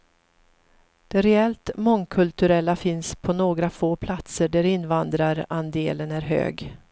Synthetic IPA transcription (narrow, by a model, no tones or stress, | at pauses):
d̪̥ɛɾɛɛlt̪mɔŋkʰɵlt̪ɵɾɛlːafɪnspʰɔnoːɡɾafoːpʰlat̪səɖæɾɪnːvand̪ɾaɾand̪eːlənæɾɦø̰ːɡ